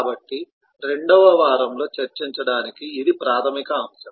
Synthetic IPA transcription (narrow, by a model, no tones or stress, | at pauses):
kaːbɐʈːi | ɾe̞ɳɖɐʋɐʋaːɾɐmlo̞ːt͡ʃɐɾt͡ʃiɲt͡ʃɐɽaːnikiːd̪ipɾaːt̪ʰɐmikɐːmsɐm